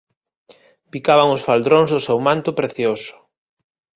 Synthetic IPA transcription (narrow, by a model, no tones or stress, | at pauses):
pikaβaŋʊsfald̪ɾoŋzðʊsewmãnt̪ʊpɾeθjosʊ̥